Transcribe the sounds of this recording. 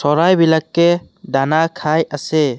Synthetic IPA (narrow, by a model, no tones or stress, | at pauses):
sɔɾajbilakːɛ | d̪anakʰajasɛ